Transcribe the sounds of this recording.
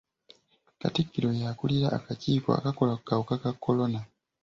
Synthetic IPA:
ka̰tikːiɾo̞jaːkuliɾa̰ʔːkaciːko̞̰a̰kako̞lakukawukakakːo̞lo̞na

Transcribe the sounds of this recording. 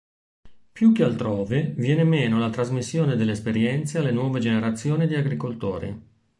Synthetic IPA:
pjukːealt̪ɾɔːvevjɛːnemeːnolat̪ɾazmisːjoːned̪elːeːspeɾjɛnt̪sealːenwɔːved͡ʒeneɾat̪sːjoːnid̪iaɡɾikolt̪o̰ːɾḭ

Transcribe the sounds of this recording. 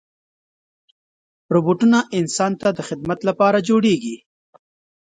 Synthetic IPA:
ɾoboʈunaʔɪnsɑnt̪ad̪əxɪd̪mat̪lapɑɾad͡ʒoɽeɡi

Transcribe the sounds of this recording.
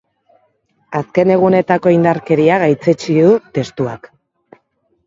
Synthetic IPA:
aske̞ne̞ɣ̞une̞t̪ako̞ind̪aɾke̞ɾiaɣajt͡se̞t͡siðut̪e̞st̪ua̰k

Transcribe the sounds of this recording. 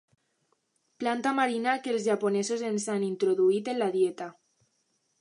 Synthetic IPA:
plant̪amaɾinakelzʒaponesozensanint̪ɾoðuit̪enlað̞jet̪a

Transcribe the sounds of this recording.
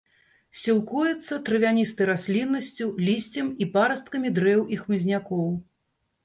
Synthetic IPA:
sʲilˠkujɛt̪sːɐt̪ɾɨvʲanʲist̪ɐjɾasʲlʲinːɐsʲt͡sʲulʲisʲt͡sʲɐmipaɾɐst̪̚kɐmʲid̪ɾɛwʔixmɨzʲnʲakɔw

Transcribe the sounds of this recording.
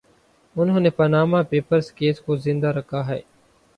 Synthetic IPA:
ʊnɦõːneːpənaːmaːpeːpəɾskeːskoːzɪ̃nd̪aːɾəkʰːaːɦɛ̰ː

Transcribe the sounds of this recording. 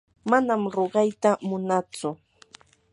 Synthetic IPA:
manamɾoɢɑjt̪amʊnat͡sʊ

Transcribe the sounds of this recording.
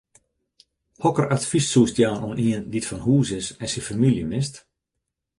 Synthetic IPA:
hɔkəratfissuːstjaːnuniənditfɔnhuːsɪsɛnsifamiljəmɪst

